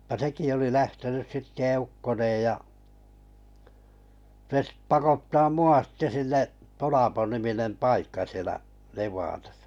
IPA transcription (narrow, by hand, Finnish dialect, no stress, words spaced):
jɑ seki oli læhtenys sitːe eukːoneːj jɑ se stĕ pɑkotːɑː muɑ sĭtːe sinːeʔ tolɑponiminem pɑikːɑ sielæʔ neʋˑɑːtɑsɑ̥